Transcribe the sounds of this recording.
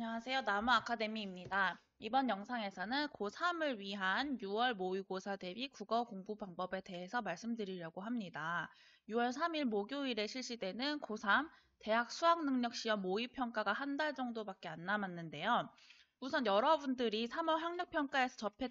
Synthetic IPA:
ɲʌŋɦasʰe̞jonamuakʰade̞miːmɲida | ibʌnjʌŋsʰaŋe̞sʰʌnɯnkosʰamɯɭɥiɦanjuwʌɭmoiɡosʰade̞bikuɡʌkoŋbubaŋbʌbe̞te̞ɦe̞sʰʌmaɭs͈ɯmdɯɾiɾjaɡoɦamɲida | juwʌɭsʰamiɭmoɡjoiɾe̞ɕʰiɭɕ͈ide̞nɯnkosʰam | te̞ɦak̚sʰuaŋnɯŋɲʌk̚ɕ͈iʌmːoipʰjʌŋk͈aɡaɦandaɭd͡ʑʌŋdobak͈̚e̞anːamanːɯnde̞jo | musʰʌnjʌɾʌbundɯɾisʰamʌɭɦwaŋɲʌk̚pʰjʌŋk͈ae̞sʰʌt͡ɕʌpʰe

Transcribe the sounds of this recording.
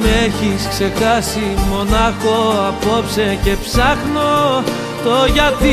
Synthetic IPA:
meeçiskse̞kɐsimo̞nɐxoɐpopsece̞psɐxno | t̪oʝɐt̪i

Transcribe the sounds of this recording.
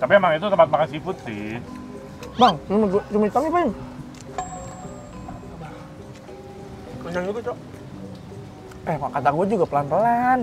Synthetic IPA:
t̪apiemaŋit̪ut̪əmpat̪̚bakansifʊt̪sɪ | baŋmaɡuat͡ʃumit̪amipan | a | kuɲd͡ʒaŋd͡ʒuɡat͡ʃɔʔ | ɛmakat̪aɡuad͡ʒuɡapəlanpəlan

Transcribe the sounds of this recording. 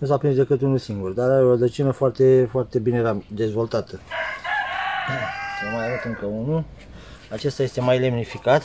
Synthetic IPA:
nus̬apɾinszd̪e̞kɨt̪unulsiŋɡurd̪aɾaɾeorəd̪ət͡ʃinəfoart̪e̞foart̪e̞bineɾad̪e̞zvo̞lt̪at̪ə | ʃomajavut̪ɨŋkəunu | at͡ʃest̪aje̞st̪emajle̞mnifikat̪

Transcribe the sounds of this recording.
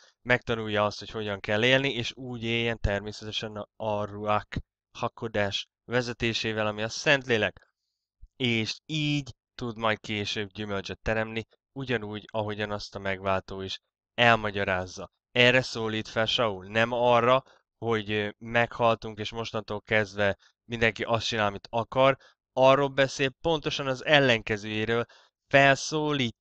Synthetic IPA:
mɛk̚t̪ɒnuːjːɒɒst̪hocho̞ɟɒŋkɛlːeːlnieːʃuːɟeːjːɛnt̪ɛrmeːsɛt̪ɛʃɛnɒruak | hɒkːod̪aːʃ | ʋɛzɛt̪eːʃeːvɛlɒmiɒsɛnt̪leːlɛk | eːʃiːɟ | t̪ud̪mɒjt̪̚keːʃøːbɟymølt͡ʃɛt̪ːɛɾɛmni | uɟɒnuːɟɒɦo̞ɟɒnɒst̪ɒmɛɡʋaːlt̪oːiʃ | ɛlmɒɟɒɾaːzːɒ | ɛːrːɛsoːliːt̪fɛlʃɒulnɛmɒrːɒ | ho̞ɟmɛkhɒlt̪uŋkeːʃmo̞ʃt̪ɒnt̪oːlkɛzd̪vɛ | mind̪ɛŋkiʔɒst̪t͡ʃinaːlɒmit̪ɒkɒr | ɒrːoːlbɛseːlpo̞n̪t̪o̞ʃɒnɒzɛlːɛŋkɛzøːjeːɾøːl | fɛlsoːliːt̪ː

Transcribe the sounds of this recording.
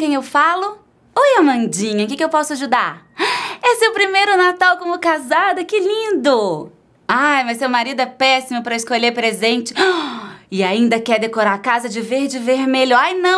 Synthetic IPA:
kẽj̃ewfalʊ | ojɐmɐ̃d͡ʒĩɲɐkɪkɪewpɔsʊaʒud̪aɾ | ɛseʊwpɾimejɾʊnat̪awkõmʊkazad̪ɐkɪlĩnd̪ʊ | ajmɐjssewmaɾid̪ʊɛpɛsimʊpɾɐɪskoʎeɾpɾezẽnt͡ʃɪ̥ | ɪaĩnd̪ɐkɛd̪ekoɾaɾkazɐd͡ʒɪveɾd͡ʒɪveɾmeʎʊajnɐ̃

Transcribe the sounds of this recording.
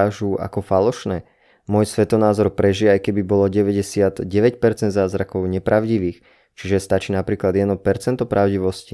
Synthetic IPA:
aʒuʔa̰kɔfalɔʃnɛː | mʊɔjsʋɛt̪ɔnaːzɔɾpɾɛʒiajkɛbibɔlɔɟɛʋɛɟɛsɪad̪ɟɛʋɛcpɛɾt͡sɛnd̪zaːzɾakɔʊɲɛpɾaʊɟiʋiːx | t͡ʃiʒɛst̪at͡ʃiːnapɾiːklad̪jɛd̪ɔpɛɾt͡sɛnt̪ɔpɾʔaʊɟiʋɔsci

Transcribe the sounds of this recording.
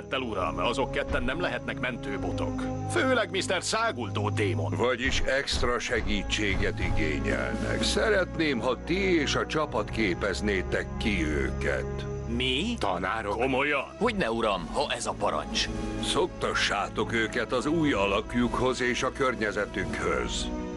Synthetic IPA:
t̪ːɛluɾɒ̰mɒzo̞kːɛt̪ːɛnːɛmlɛɦɛt̪nɛkmɛnt̪øːbot̪o̞̰kføːlɛɡmist̪ɛrsaːɡult̪oːt̪eːmo̞̰nvɒɟiʃɛkst̪rɒʃɛɡiːt͡ʃːeːɡɛt̪iɡḛːɲɛ̰lnɛ̰ksɛɾɛt̪neːmɦɒt̪ieːʃɒt͡ʃɒpɒt̪keːpɛzneːt̪ɛkːiøø̰ːkɛ̰t̪mit̪ɒ̰na̰ːɾokomo̞jɒho̞ɟnɛuɾɒmhɒʔɛzɒpɒɾɒ̰ɲt͡ʃsok̚t̪ɒʃːaːt̪o̞køːkɛt̪ɒzuːjɒlɒkjukho̞zeːʃɒkørɲɛzɛt̪ykhø̰z̥

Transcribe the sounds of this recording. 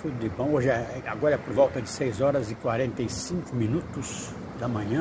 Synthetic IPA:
fud̪ʊd̪ɪbõw̃oʒɪɛaɡɔɾɐɛpoɾvɔwt̪ɐd͡ʒɪsejzɔɾɐzɪkwaɾẽnt̪ejsĩŋkʊmĩnut̪ʊz | d̪ɐmɐ̃ɲɐ̃

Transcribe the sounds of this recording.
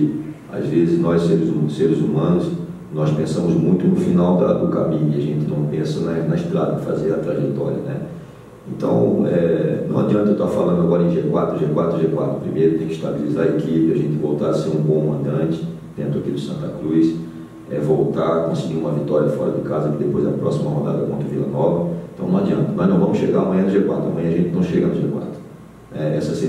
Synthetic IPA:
a̰zvezɪznɔjsseɾɪzseɾɪzumɐ̃nʊs | nɔjspẽsɐ̃mʊzmũj̃t̪ʊnʊfinawd̪ɐd̪ʊka̰bĩɪaʒẽnt̪ɪnɐ̃w̃pẽsɐnɐnɐɪʃt̪ɾad̪ɐɪfa̰zeɾɐt̪ɾaʒɛt̪ɔ̰ɾiɐ̰nɛ | ẽnt̪ɐ̰̃w̃ɛnɐ̰̃w̃ad͡ʒiɐ̃nt̪ɐewt̪afalɐ̃nd̪ʊaɡɔɾɐẽj̃ʒekwat̪ɾʊʒekwat̪ɾʊʒekwa̰t̪ɾʊpɾimejɾʊt̪ẽj̃kɪiʃt̪abelizaɾɐekipɪaʒẽnt̪ɪvowt̪aɾɐseɾũbõmɐ̃nt̪ɐ̃t͡ʃɪ̥ | d̪̥ẽnt̪ɾʊakid̪ʊsɐ̃nt̪ɐkɾujs | ɛ̰vowt̪aɾkõsɪɡiɾũmɐvit̪ɔɾjɐfɔɾɐd̪ɪkazɐkɪd̪epojzd̪ɐ̰pɾɔsimɐhod̪a̰d̪ɐkõt̪ɾɐvilɐ̰nɔvɐẽt̪ɐ̃w̃nɐ̃ad͡ʒiɐ̃nt̪ɐmɐʒnɐ̃w̃vɐ̃mʊsʃeɡaɾɐmɐ̃jɐ̃d̪ʊʒekwa̰t̪ɾɐmɐ̃jɐ̃ɐʒẽt̪ɪnɐ̃w̃ʃeɡɐnʊʒekwa̰t̪ɾʊ | nɛɛsɐsi

